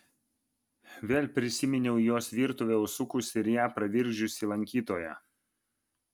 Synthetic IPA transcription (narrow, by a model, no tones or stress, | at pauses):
ʋʲeːlʲpʲɾʲɪsʲɪmʲɪnʲɛʊjoːsʋʲiːɾt̪ʊʋʲɛʊsʊkʊsɪɾjæːpɾɐʋʲɪɾʲɡʒʲʊsʲiˑlˠɐŋʲkʲiːt̪oːjɛ̰